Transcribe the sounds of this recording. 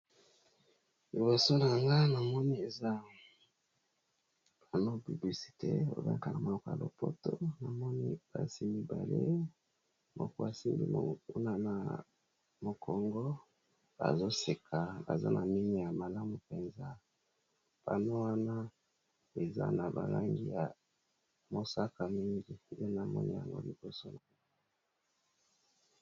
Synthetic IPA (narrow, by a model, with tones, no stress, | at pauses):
li˨bo˨so˦na˨ŋɡa˦na˨mɔ˦ni˦e˨za˦ | b̥a˨no˦py˨bli˨si̥˨te˦o̰˨ba̰˦ka˨na˨mo˨ɔ˦ko˨ja̰˨lo̰˨po˦to˦na˨mɔ˦ni˦b̥a̰˨si˦mi˦ba̰˨le˦ | mo̰˨kɔ˦a˨si˦mbḭ˨m̰˨u˦na˦na̰˨ | mo˨kʰɔ˨ŋɡɔ˦ | ba̰˨zo˦se˨kʰa˨ba̰˨za˦na˨mi˦ŋɡi˦˨ja˨ma˨la˦mu˨pe˨nza˦ | b̥a̰˨no˦wa˦na˦ | e˨za̰˦na˨ba̰˨la˦ŋɡi˦ja˨ | mo˨sa˦ka˨mi˦ŋɡi˦˨de˦na˨mɔ˦nḭ˦ja̰˨ŋɡo̰˦li˨bo˦so˦na˨˦